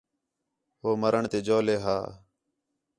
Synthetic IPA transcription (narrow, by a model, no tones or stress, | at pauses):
ɦoːməɾəɳt̪eːd͡ʒoːleːɦa̰ː